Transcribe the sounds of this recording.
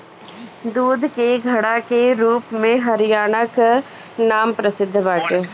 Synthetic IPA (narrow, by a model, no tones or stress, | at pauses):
d̪uːd̪ʱkeɡʱɐɽakeɾuːpmẽɦɐɾijaːnək | naːmpɾɐsɪd̪ʱːbaːʈ